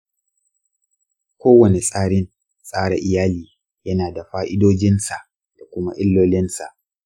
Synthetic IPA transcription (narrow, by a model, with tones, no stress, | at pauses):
kʷoː˦wɐ˨ne˨sʼaː˦ɽɪ˦n | sʼaː˦ɽa̰˨ʔɪ˨jaː˦liː˨ | jɐ˦naː˨da˨ɸaː˦ʔɪ˦doː˦d͡ʒɪ˦nsa˨ʔ | d̥a˨kʷʊ˦ma˦ʔɪ˦lːoː˦lɪ˦nsa̰˨ʔ